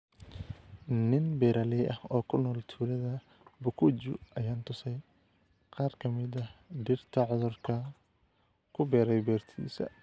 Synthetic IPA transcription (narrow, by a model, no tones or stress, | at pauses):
nɪnbɛːɾɐlɛjʔɐhɔːkʰʊnɔːlt̪ʰuːlɐðɐ | bʊkʰʊd͡ʒʊ̰ʔɐjaːnt̪ʰʊsɛj | qɑːrkʰɐmɪd̪ɐɖɪrt̪ʰɐʕʊðʊrkʰɐ | kʰʊbɛːɾɛjbɛːrt̪ʰḭːsɐ̰